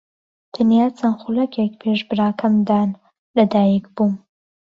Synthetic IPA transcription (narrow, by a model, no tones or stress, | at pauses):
t̪ʰanijaːt͡sʰɐnχulɐkʰjɛkpʰeʃbɨɾaːkʰɐmd̪aːn | lɐd̪aːjikbum